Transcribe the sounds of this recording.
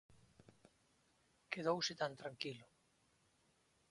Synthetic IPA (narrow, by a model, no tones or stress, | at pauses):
keð̞owsɪt̪ant̪ɾaŋkilʊ